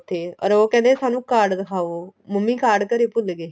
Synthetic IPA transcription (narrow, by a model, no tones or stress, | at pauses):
t̪ʰːeːɔ̰ːɾoːkɛ̃ːnd̪esaːnũːkaːɾɖd̪əkʰaːoːməmːĩːkaːɾɖkəɾeːpʊlɡeː